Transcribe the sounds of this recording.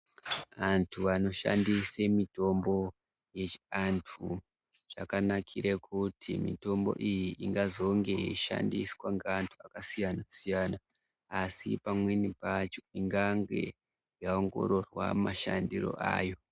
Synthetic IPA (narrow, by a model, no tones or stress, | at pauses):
antʰuano̞ʃa̰ndisemito̞mbo̞ | je̞t͡ʃiantʰu | ʐ̥a̰kanakʰiɾekʰutʰḭmḭto̞mbo̞̰ʔijiʔiŋɡazo̞ŋɡe̞iʃa̰ndiswaŋɡeantʰuakasijanasijanaː | sḭpamwe̞nipat͡ʃo̥iŋɡaŋɡe̞̰ | jaoŋɡo̞̰ɾo̞rwa̰maʃandiro̞̰ʔa̰ːjo̞